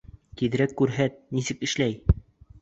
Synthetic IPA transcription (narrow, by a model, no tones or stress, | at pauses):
k̪iðɘ̆ɾækːʉɾɦæt̪̚nisɘkɘ̆ʃlæj